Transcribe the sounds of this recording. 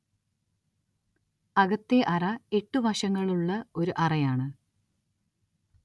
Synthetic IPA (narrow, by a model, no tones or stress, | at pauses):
ɐɣɐt̪ːeʔɐrɐe̞ʈːuʋɐɕɐŋːɐɭuɭːɐo̞ɾuʔɐrɐjaːɳɨ